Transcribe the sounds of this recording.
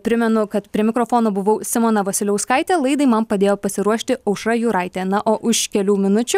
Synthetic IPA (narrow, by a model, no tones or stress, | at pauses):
pʲɾʲɪmʲɛnʊkɐt̪pʲɾʲiɛmʲɪkɾoːfoːnoːbʊʋɐʊsʲɪmoːnɐʋɐsʲɪlʲɛʊskɐɪt̪ʲɛːlˠɐɪd̪ɐɪmɐnpɐd̪ʲeːjoːpɐsʲɪɾuɔʃʲt̪ʲɪɐʊʃɾɐjuːɾɐɪt̪ʲeːnɐʔoːʔʊʃkʲɛlʲuːmʲɪnʊt͡ʃʲʊ